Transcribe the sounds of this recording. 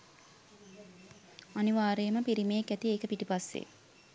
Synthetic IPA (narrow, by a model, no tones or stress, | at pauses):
aniʋaːɾejəməpiɾimejekæt̪ieːkəpiʈipasːḛ